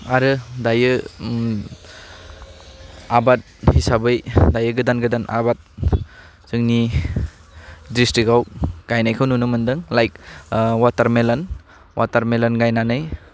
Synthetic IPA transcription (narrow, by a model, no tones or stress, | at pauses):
aɾɯdajɯ | abat̚hisabɯjdajɯɡɯdanɡɯdanʔa̰bat̚ | z̥ɯŋni | dɾistiɡawɡ̥ajnajkʰɯwnunɯmɯndɯŋlajk̚wataɾmelan | wʔataɾmelanɡajnanɯj